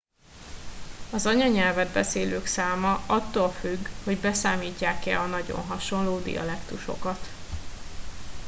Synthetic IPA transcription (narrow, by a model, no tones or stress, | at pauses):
ɒzɒɲɒɲɛlvɛd̪̚bɛseːløːksaːmɒɒt̪ːoːlfyɡho̞ɟbɛsaːmiːcːaːkɛ̰ɒnɒɟo̞̰nɦɒʃo̞nloːd̪ḭjɒ̰lɛkt̪uʃo̞̰kɒt̪